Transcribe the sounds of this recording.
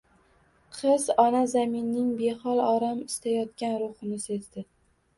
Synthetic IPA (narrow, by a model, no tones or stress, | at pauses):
qʰɨzɒnazamɪnːɪŋbe̞hɒlˠɒɾamɪst̪ʰajɒt̪̚kʲanɾʊχɨnɪsezd̪ɪ